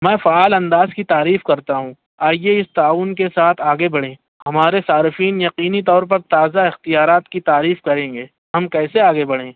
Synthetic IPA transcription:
mɛ̃ːfaaːlɐ̃nd̪aːzkit̪aːɾiːfkɐɾt̪aɦũː | aːieɪst̪aːʊnkesaːt̪ʰaːɡebɐɽẽː | hɐmaːɾesaːɾɪfiːnjɐqiːnit̪̬ɔːɾpɐɾt̪aːzaɪxt̪ijaːɾaːt̪kit̪aːɾiːfkɐɾẽːŋɡeː | ɦɐmkɛːseaːɡebɐɽẽː

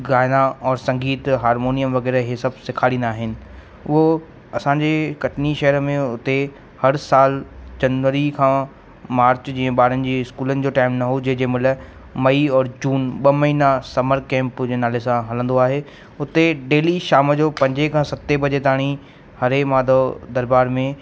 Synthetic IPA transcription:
ɡaːɪnaɔːɾsɐ̃ŋɡiːt̪ɦaːɾmoːnijəmʋɐɣɛːɾəɦesɐbsɪkʰaːɽĩːnd̪aːɦɪnɪ̆ | ʊɦo | ɐsãːɲd͡ʑekɐʈʰniʃɐɦəɾmẽʊt̪e | hɐɾsaːld͡ʑɐnʋəɾikʰã | maːɾt͡ɕd͡ʑĩːə̃ɓaːɾənɪ̆d͡ʑiːɪskuːlənɪ̆d͡ʑoːʈaːɪmnɐɦod͡ʑɐɦd͡ʑemʊlə | mɐiɔːɾd͡ʑuːnɓɐmɐɦiːnasɐməɾkɛ̃ːmpd͡ʑeːnaːlesãɦɐlə̃nd̪oaːɦeː | ʊt̪eɖeːliʃaːmd͡ʑoːpɐ̃ɲd͡ʑekʰãːsɐt̪ːebɐd͡ʑet̪aːɽ̃i | hɐɾemaːd̪ʱod̪ɐɾbaːɾmẽ

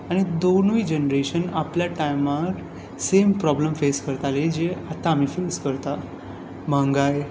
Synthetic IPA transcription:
aɽ̃id̪oɳʋiːd͡ʑenɾeɕənapljaʈajmaɾ | sempɾɔbləmfeskəɾt̪aled͡ʑeat̪aːm̤iːfeskəɾt̪a | m̤ãŋɡaj

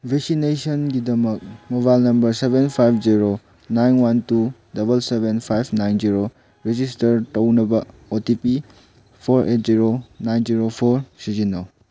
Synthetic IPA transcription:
bʱek̚sinesɐnɡidɐmɐk̚moβajlnɐmbɐɾsebenpʰajpʰziɾo | najnwantudɐbɐlsebenpʰajbʰnajnziɾo | ɾed͡ʒistɐɾtɐwnɐbɐ | otipi | pʰoɾʔet̚ziɾonajnziɾopʰoɾsizinːow

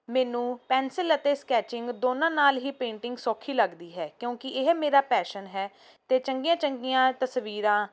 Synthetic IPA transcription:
mɛːnũːpɛːnsɪlət̪eːskɛːt͡ʃɪ̃ŋɡd̪oːnãːnaːlɦiːpẽːɳʈɪŋɡsɔːkʰːiːləɡd̪iːɦɛːkjõːkɪɪɦmeːɾaːpɛːʃənɦɛː | t̪eːt͡ʃəŋɡijãːt͡ʃəŋɡijãːt̪əsʋiːɾãː

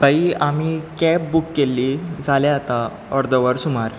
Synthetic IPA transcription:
bəiamikɛp̚bukːelːiːd͡zʱaleat̪a | ɔɾd̪əʋəɾsumaɾ

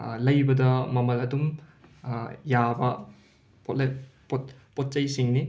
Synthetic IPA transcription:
lɐjbɐdɐmɐmɐlɐdum | jabɐ | pɔpɔtpɔt̚t͡ʃɐjsiŋni

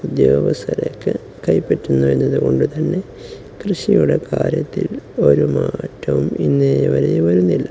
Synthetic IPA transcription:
ud̪joːɡɐsɐlekːɨ | kɐjpːetːunːuenːɐðuko̞̰ɳɖɨt̪ɐnːe̞ | krɨʂijuɽe̞kaːɾjɐt̪ːḭlo̞ɾumaːtːɐʋuminːejɐʋɐɾejʋɐɾunːilːɐ

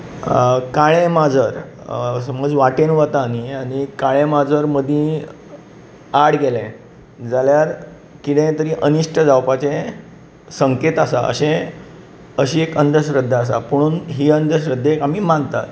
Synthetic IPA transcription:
kaɭẽmad͡zəɾsəməd͡zʋaʈenʋət̪aniañikaɭ̃ẽmad͡zəɾməd̪ʱĩ | aɽɡelẽ | d͡zaljaɾ | kiɽẽt̪əɾiːʔəniʂʈəd͡zawpat͡sẽ | səŋket̪asaʔə̰ɕẽ | əɕiːekənd̪ʱəɕ̬ɾəd̪ʱːaːs̬a̰pəɽ̃uːnɦiːənd̪ʱəɕɾəd̪ʱːekam̤imant̪a̰t̪

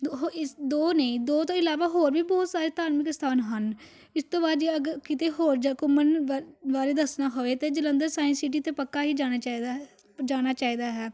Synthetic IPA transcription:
ɦoɪd̪oːneĩːd̪oːt̪õːɪlaːʋaːɦoːɾbʱiːbɔːt̪saːɾeːt̪aːnmɪkst̪ʰaːnɦən | ɪst̪õːbaːd̪d͡ʒiːəɡəɾkɪt̪eːɦoːɾd͡ʒkʊmənʋaːɾeːd̪əsnaːɦoːʋeːt̪eːd͡ʒələ̃nd̪əɾsaːɪ̃nsiʈ̬iːt̪eːpəkːaːɦiːd͡ʒaːñaːt͡ʃaːd̪a | d͡ʒaːnaːt͡ʃaːiːd̪aːɦɛː

